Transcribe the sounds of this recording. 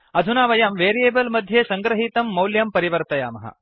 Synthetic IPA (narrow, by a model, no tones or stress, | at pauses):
ɐd̪ʱunaːʋɐjɐmʋeːɾijeːbɐlmɐd̪ʱjeːsɐŋɡɾɐɦit̪ɐmːɐwljɐmpɐɾiʋɐɾt̪ɐjaːmɐɦɐ̰